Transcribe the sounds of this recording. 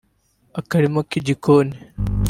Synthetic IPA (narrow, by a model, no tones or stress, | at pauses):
ɐkɐɾimɐkid͡ʑikʰoːn